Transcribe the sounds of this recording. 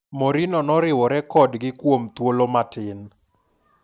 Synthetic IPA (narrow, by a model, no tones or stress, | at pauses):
moɾinɔnɔɾɪwɔɾɛkɔdɡɪkwomt̪wolomatɪn